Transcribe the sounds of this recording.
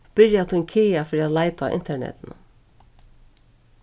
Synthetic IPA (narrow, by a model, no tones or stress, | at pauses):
b̥ɪɾjat̪ʰunkʰeːjafɪɾiat̪laɪjt̪a̰ʔɪ̰nt̪ɛɳɛ̰t̪ɪnə̰